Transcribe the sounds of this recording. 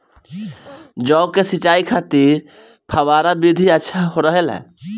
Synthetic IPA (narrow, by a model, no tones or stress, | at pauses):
d͡ʒɔːkesit͡ʃaikʰat̪iɾ | pʰəwaɾabid̪ʱiətːʃʰaɦoɾəɦelɦɛ̰̃